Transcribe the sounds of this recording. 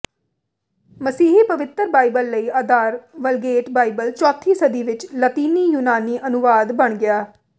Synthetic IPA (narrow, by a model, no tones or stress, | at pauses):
məsiːɦiːpəʋɪt̪əɾbaːibəlːəiːaːd̪aːɾʋəlɡeːʈbaːibəlt͡ʃɔːt̪ʰːiːsəd̪iːʋɪt͡ʃlət̪iːniːjuːnaːniːʔənʊʋaːd̪bəɳɡɪaː